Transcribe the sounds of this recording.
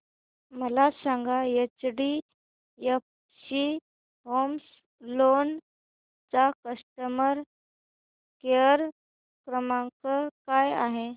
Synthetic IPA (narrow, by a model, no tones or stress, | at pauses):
məlasãŋɡajet͡sɽi | jəp | ɕi | ɦoms | lon | t͡sakəsʈəməɾ | keəɾ | kɾəmãŋkəkaja̰ɦe